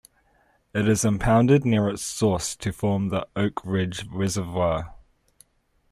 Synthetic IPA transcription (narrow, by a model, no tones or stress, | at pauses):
ɪɾɪzə̃mpʰãʊ̃ndɪdⁿnɪəɹɪtsɔˑstʰəfɔːmðiəʊkʰɹɪd͡ʒwɪzəvə